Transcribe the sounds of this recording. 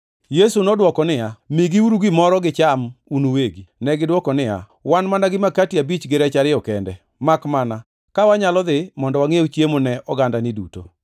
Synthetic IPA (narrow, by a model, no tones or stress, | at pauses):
jesunɔdwɔkɔnɪjamiɡiuɾuɡɪmɔɾɔɡɪt͡ʃamunuweɡinɛɡɪdwɔkɔnɪja̰ | wanmanaɡɪmakatiabit͡ʃɡɪɾɛt͡ʃaɾɪɔkɛndɛ | makmana | kawaɲalɔd̪ɪmɔndɔwaŋeot͡ʃjemonɛɔɡandanɪduto̰